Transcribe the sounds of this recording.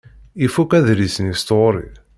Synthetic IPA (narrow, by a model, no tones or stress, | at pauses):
ifukæðɾisnist̪oɾḭ